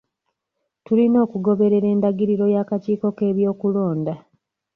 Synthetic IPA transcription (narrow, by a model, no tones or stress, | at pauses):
tulino̞ːkuɡo̞βe̞ɾe̞ɾe̞ːndaɡiɾiɾo̞jaːkaciːko̞ke̞ːβjo̞ːkulo̞ːnda